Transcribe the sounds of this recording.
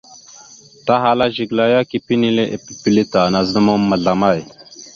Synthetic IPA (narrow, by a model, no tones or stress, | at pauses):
t̪aɦalaʑiɡlajakipinileʔepipilit̪aːnaznɐmomːɐɮamaj